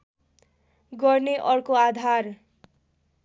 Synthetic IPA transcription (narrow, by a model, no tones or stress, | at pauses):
ɡʌrneʔʌrkoad̪ʱar